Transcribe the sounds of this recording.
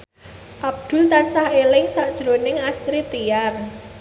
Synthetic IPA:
ʔab̚d̪̥ʊ̤lt̪ansahelɪŋsaʔd̥ʒ̥ɾo̤nɪŋast̪ɾit̪ijar

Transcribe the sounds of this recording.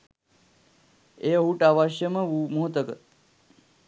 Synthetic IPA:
eɦuʈaːʋaːʃjəməʋumoɦt̪əkət̪

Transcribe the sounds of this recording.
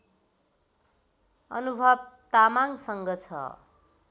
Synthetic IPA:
ʌ̰nubʱʌbt̪amaŋsʌŋɡʌt͡sʰʌ̰

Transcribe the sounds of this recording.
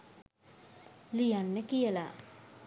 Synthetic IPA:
lijanːəkijəla

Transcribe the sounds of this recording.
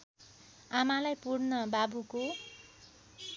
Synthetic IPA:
amalajpuɽnʌbabuko

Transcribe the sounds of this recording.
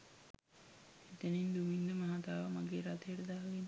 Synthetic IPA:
it̪ənind̪umind̪əmaɦat̪aːʋəmaɡeːɾat̪ejəʈəd̪aːɡen

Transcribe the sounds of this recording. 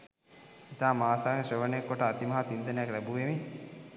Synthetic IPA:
it̪aːmaːsaːŋeʃəʋənəjekːoʈəːt̪imɐɦat̪ind̪ənəjaklæbuʋeme

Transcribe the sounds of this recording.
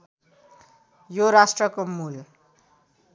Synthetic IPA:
joɾasʈrʌkomul

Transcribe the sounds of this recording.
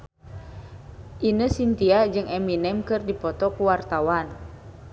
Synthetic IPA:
ʔinəsint̪iad͡ʒɨŋɛminɛmkɨrdipɔt̪ɔkuwart̪awan

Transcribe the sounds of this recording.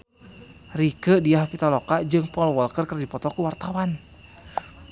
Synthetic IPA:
rikədiaɦapit̪alɔkad͡ʒɨŋpɔlɔwɔlkərkərdipɔt̪ɔkuwart̪awan

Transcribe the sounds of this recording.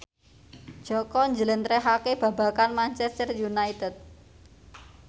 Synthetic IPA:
d̥ʒ̥ɔkɔɲd͡ʒələnt̪ɾɛɦakeb̥a̤bä̤kanmant͡ʃɛst̪ərjunait̪ɛt̪̚

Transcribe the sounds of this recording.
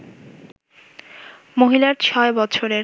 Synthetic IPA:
moɦilaɾt͡ɕʰɔebɔt͡ɕʰoɾe

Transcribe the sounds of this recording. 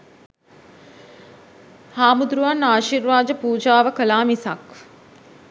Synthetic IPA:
haːmud̪ɾuʋanaːʃiɾʋaːd͡ʒəpuːd͡ʒaːʋəkəlaːmisak

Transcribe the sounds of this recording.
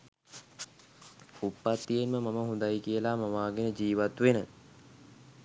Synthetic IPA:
upːat̪ːijenməmaməɦũnd̪ajkijəlamamaːɡenəd͡ʒiːʋat̪ʋenə

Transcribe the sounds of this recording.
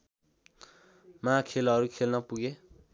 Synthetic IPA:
makʰelɦʌɾukʰelnʌpuɡe

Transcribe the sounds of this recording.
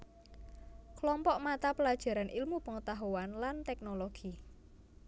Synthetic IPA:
kəlɔmpɔʔmat̪apəlad̥ʒ̥a̤ɾanʔilmupəŋət̪aɦuwanlant̪ɛk̚noloɡ̥i

